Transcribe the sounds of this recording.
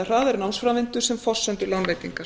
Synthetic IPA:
r̥aːðɛɾnamsfɾavɪnt̪ʏɾ̥sɛmfɔ̥sːɛnt̪ʏlanveːjt̪iŋka

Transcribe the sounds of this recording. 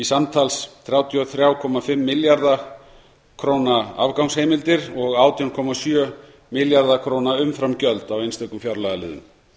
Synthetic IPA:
isamt̪ʰalsθɾjaːwt̪ʰiɔθɾjaːwkʰɔmafɪmːɪljaɾða | kʰɾoːwnaa̰vkawŋshejmɪlt̪ɪɾɔɣaːwt̪ʰiawnkʰɔmasjœ | mɪljaɾðakʰɾoːwnaʏmfɾamcœlt̪awejnst̪œkʏmfjawɾlaːɣalɪ̰ːðʏ̰m

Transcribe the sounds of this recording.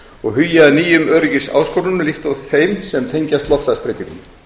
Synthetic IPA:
ɔɣɦʏjːaːniːjʏmœːɾɪcɪsa̰ːwskowɾʏnlɪht̪ɔɣfeːjmsɛmt̪ʰejɲcast̪lɔft̪aspɾejt̪ɪt̪ni

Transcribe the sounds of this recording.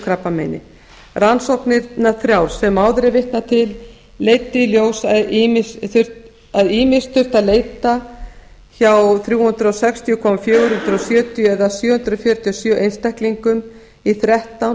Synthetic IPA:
kʰɾapːamḛjnɪ̰ | ransowknɪnaθɾjawɾsɛmːawðɾɪvɪht̪nat̪ʰɪlː | eːjt̪ɪiljoːwsaðimɪsθʏr̥t | aðiːmɪst̪θʏr̥t̪aðleːjt̪a | çawθɾjuːhʏnd̪ɾasɛkst̪ʰijʏkʰɔmafjœːɣʏɾhʏnd̪ɾasjœːt̪ʰijʏɛðasjœːhʏnd̪ɾðfjœɾ̥t̪ʰiɔsjœʔejnst̪ɛhkliŋkʏm | iθɾɛht̪awn

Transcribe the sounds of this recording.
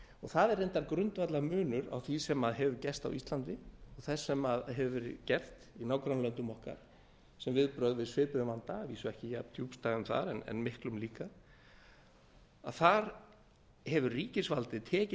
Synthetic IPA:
ɔɣθaðɛɾejnt̪aɾkɾʏnt̪vat̪lamʏːnʏɾa̰wθisɛmaðɦɛvʏcɛst̪a̰wist̪lant̪ɪɔɣθɛsːɛmaðɦɛvɛɾcɛr̥t̪inaːwkɾanlœnt̪ʏmɔhka̰ɾ̥ | sɛmvɪðpɾœɣðɪsvɪːpɪðmant̪aviːsʏɛhcɪjapt̪ʰjuːpst̪aːɣʏmθa̰ɾɛnɛ̰nmɪhklʏmliːka | a̰ðθaɾ | hɛvʏrriːcɪsvalt̪ɪt̪ʰɛːcɪ

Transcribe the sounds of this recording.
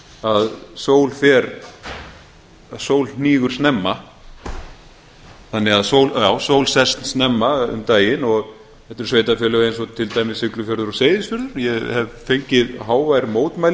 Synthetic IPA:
aðsoːwlfɛːɾ | asoːwlniːɣʏɾ̥snɛmːa | θanːɪɣaðsoːwljawsoːwlsɛst̪n̥snɛmːaʏ̰mt̪aːjɪnɔɣ | ɛht̪ʏɾ̥sveːjt̪afjœːlʏɣejns̬ɔt̪ʰɪlt̪aːjmɪsʏklʏfjœɾðʏɾɔseːjðɪsfʏɾðʏɾ̥jɛhɛvfejɲcɪðɦaːwvajɾmoːwt̪maːjl

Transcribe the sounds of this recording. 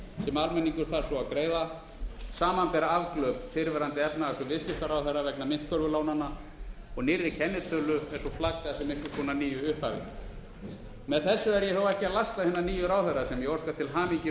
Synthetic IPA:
sɛmalmɛniŋkʏɾθaɾsɔawkɾeːjða | saːmanpɛːɾaavklœːpfɪɾvɛɾant̪ɪɛpnaasɔvɪðscɪft̪aɾaːwθœɾavɛknamɪn̥t̪̚kʰœlvʏlaːwnanːa | ɔɣnɪrːɪcʰɛnːɪt̪ʰœːlʏɛɾ̥sɔflakːasɛmɪhkʏ̥kɔːnaniːjʏʏhphavɪ̰ | mɛðθɛsːʏɛɾjɛθawɛhcɪalast̪aðhɛnːaniːjʏɾaːwθɛɾasɛmjɛɔskat̪ʰɪlɦaːmiɲcɪ

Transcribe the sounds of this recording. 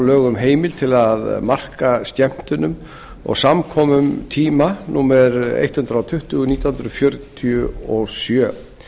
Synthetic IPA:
lœːɣʏmɦeːjmɪl̥t̪ʰɪlaðmar̥kast̪ɛm̥t̪ʏnʏm | ɔ̰ɣsamkʰɔːmʏmt̪ʰiːmanuːmɛɾḛjt̪hʏnɾawt̪ʰʏht̪ʏɣʏniːt̪ahʏnd̪ɾʏfjœɾt̪ʰiʏɔsjœː

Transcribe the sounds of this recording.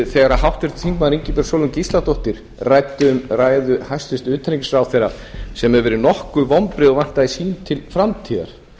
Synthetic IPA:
θɛːɣaɾaɦawht̪vɛst̪ɪ̥θiŋkmaðɾiɲcɪpɛɾ̥sɔːwlʏmcist̪lat̪ɔht̪ɪɾ̥ | rajt̪ʏːmraːjðʏhajst̪ɪst̪ʏːt̪ʰaɾiŋɪsɾawθɛjɾa | sɛmɛɾvɛːɾɪnɔhkʏvɔmpɾɪðɔɣvan̥t̪aðɪsiːnt̪ʰɪlfɾamt̪ʰiːða̰ɾ̥

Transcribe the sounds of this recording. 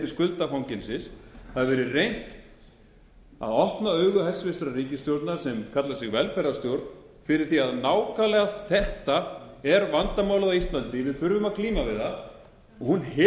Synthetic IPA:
t̪ɪ̥skʏlt̪afawɲcɪlsɪshaðvɛːɾɪrejn̥t̪ | a̰ðɔhpnaœɥɣʏhɛsvɪsɾariːcɪst̪jowɾt̪nḁsɛmkʰat̪lasɪɣvɛlfɛɾast̪jowɾt̪n | fɪɾɪɾ̥θiaðnaːwkalɛɣaθɛht̪aɛɾvant̪amawlaɣist̪lant̪ɪvɪðfʏɾvʏmaðkliːmavɪða | ɔɣhunh

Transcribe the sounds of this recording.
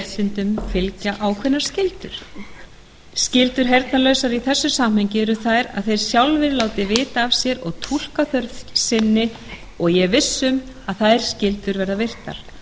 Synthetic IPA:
t̪ɪnt̪ʏmfɪlcaʔawkʰvɛnːaɾ̥scɪlt̪ʏ̰ɾ̥ | scɪlt̪ʏɾ̥ɦejɾt̪nalœɥsaɾiθɛsːʏsam̥hejɲcɪɛɾʏθajɾa̰ðθejɾ̥sjawlvɪðlaːwt̪ɪvɪːt̪aːvsjɛɾɔɣt̪ʰul̥kaθœɾsɪnːɪ | ɔɣjɛvɪsːʏm | aðθaðɛɾ̥scɪlt̪ʏɾvɛɾðavɪr̥t̪a̰ɾ̥

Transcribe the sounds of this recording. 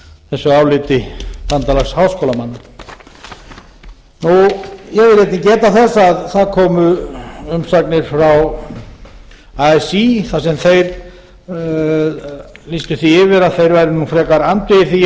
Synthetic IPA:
θɛsːʏaːwlɪːt̪ɪt̪ant̪alaxshaːwskowlamanːa | nujɛɣvɪlɾejt̪ɪcɛːt̪aθɛsːaðθaðkʰɔːmʏʏmsaknɪɾ̥fɾaw | aɛsiθasɛmθejɾ | list̪ʏθiɪvɪɾaðθejɾvajɾɪnufɾɛːkaɾant̪ɪɪɾ̥θi

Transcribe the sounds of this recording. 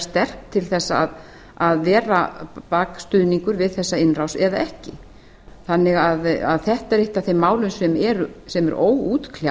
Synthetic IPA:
st̪ɛr̥k̚t̪ʰːɪlθɛsːaːð | aðvɛːɾapaːkst̪ʏðniŋkʏɾvɪðθɛsːaɪnrawsɛðaʔɛhcɪ | θanːɪɣaða̰ðθɛht̪aɛɾejht̪aθejmːaːwlʏnsɛmɛɾʏsɛmɛ̰ɾoːwuːt̪kʰla

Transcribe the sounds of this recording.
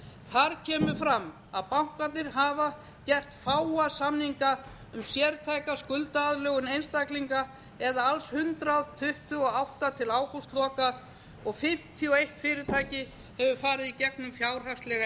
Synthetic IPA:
θaɾcʰɛːmʏfɾamː | aðpawŋ̥kant̪nɪɾ̥ɦaːva | cɛr̥t̪faːwasamnhiŋka | ʏmsjɛɾt̪ʰajkaskʏlt̪aaðlœːɣʏnejnst̪akliŋka | ɛðaalshʏnt̪ɾaðt̪ʰʏht̪ʏɔawht̪at̪ʰɪlaːwkust̪lɔːka | ɔɣfɪm̥t̪ʰijɔejht̪fɪːɾɪt̪ʰaːjcɪ | hɛvʏfaːɾɪðicɛknʏmfjaːwr̥ast̪lɛɣ

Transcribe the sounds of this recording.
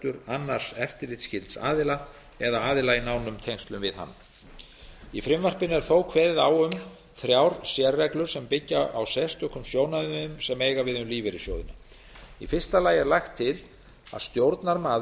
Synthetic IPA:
t̪ʏɾanːar̥sɛft̪ɪɾɪt̪scɪlt̪sa̰ːðɪla | ɛðaaːðɪlainawnʏmt̪ʰejŋst̪lʏmvɪðha̰nː | ifɾɪmvar̥pɪnɛɾ̥θowkʰvɛððawʏm | fɾjawɾ̥sjɛrːɛklʏɾ̥sɛmpɪcːaʔawsɛst̪œhkʏmsjoːwnaððʏmsɛmejɣavɪðʏmliːvɪɾɪsjoːwðɪna | ifɪ̥st̪alaːjɛɾlajxt̪ʰːɪl | a̰ðst̪jowɾt̪naɾmaː

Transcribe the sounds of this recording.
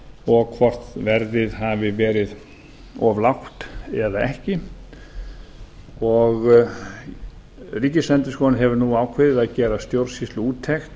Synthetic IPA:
ɔɣkʰvɔr̥t̪vɛɾðɪðɦavɪvɛːɾɪð | ɔvlawht̪ɛðaɛhcɪ | ɔɣ | riːcɪslɛnt̪ɪ̥skɔnɪɦɛvʏɾnuaːwkʰvɪːðɪðaðcɛːɾast̪jowɾsist̪lʏuːt̪ʰːɛxt̪

